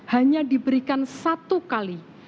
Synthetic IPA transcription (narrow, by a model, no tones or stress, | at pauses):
haɲadibəɾikansat̪ukali